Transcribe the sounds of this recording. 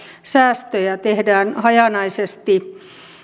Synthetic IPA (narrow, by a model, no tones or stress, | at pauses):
sæːst̪øjæt̪ehdæːnhɑjɑnɑisest̪i